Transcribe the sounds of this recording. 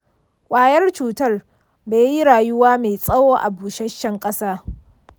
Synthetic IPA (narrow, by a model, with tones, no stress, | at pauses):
kʷʼaː˨jɐ˦rt͡ʃuː˨tɐ˦r | beː˨ji˦ɽaː˨jʊ˦waː˦me˨sʼɐ˦woː˦ʔa˨buː˨ʃɐ˦ʃːɐ˦ŋkʼɐ˦saː˦